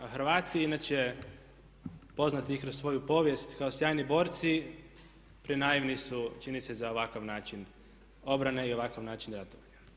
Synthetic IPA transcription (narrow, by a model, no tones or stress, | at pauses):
xɾʋaːt̪iinaːt͡ʃee | po̞znat̪iikɾosʋo̞jupo̞ːʋje̞st̪kaosjaːjnibo̞ːɾt̪si | pɾinaːiʋnisut͡ʃinisezao̞ʋakaʋnaːt͡ʃin | o̞bɾane̞ioʋakaʋnaːt͡ʃinɾat̪oʋaɲa